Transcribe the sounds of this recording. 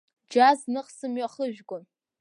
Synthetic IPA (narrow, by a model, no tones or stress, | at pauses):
d͡ʒaznɨqsɨmɥaχəʒᶣɡʷʊn